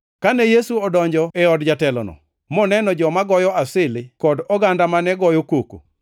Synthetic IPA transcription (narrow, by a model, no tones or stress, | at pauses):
kanɛjesuɔdɔɲd͡ʒɔɛɔdd͡ʒatɛlɔ̰nɔ̰ | mɔnɛnɔd͡ʒɔmaɡɔjɔasɪlɪkɔdɔɡandamanɛɡɔjokoko̰